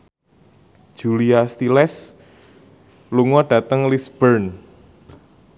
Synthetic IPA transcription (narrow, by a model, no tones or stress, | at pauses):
d̥ʒ̥uliast̪ilɛs | luŋɔɖ̥a̤t̪əŋlisb̥ərn